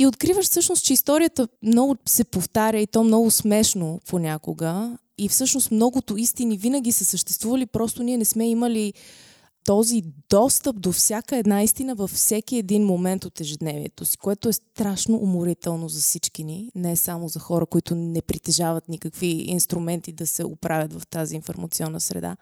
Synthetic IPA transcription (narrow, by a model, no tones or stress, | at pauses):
iot̪kɾivəʃfsɤʃnost͡ʃɛist̪ɔɾijət̪əmnɔɡʊsɛpoft̪aɾʲəit̪ɔmnɔɡʊsmɛʃnopʰonʲakoɡə | ifsɤʃnost̪mnɔɡʊt̪oist̪inivinəɡʲisɛsəʃt̪ɛ̥st̪vuvəlipɾɔst̪ʊniɛnɛsmɛiməli | t̪ɔzid̪ɔst̪əp̚d̪ofsʲjakəɛd̪naist̪inəvəfsɛk̟iɛd̪inmomɛnt̪ot̪ɛʒɛd̪nɛviɛ̰t̪osi̥koɛt̪oɛst̪ɾaʃnoʔːmoɾit̪ɛlˠnozɐfsit͡ʃkininɛsamozɐxɔɾəkoit̪ʊnɛpɾit̪ɛʒavət̪nikəkviḭnst̪ɾumɛnt̪id̪ɐsɛo̰pɾʔavʲət̪vɐft̪aziːnfo̰ɾmɐt̪siɔnːəsɾɛ̰d̪a̰